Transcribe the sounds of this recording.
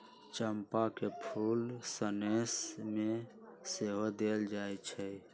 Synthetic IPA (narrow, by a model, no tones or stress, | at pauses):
t͡ʃəmpakepʰulsənesme | seɦod̪eld͡ʒajt͡ʃʰɛ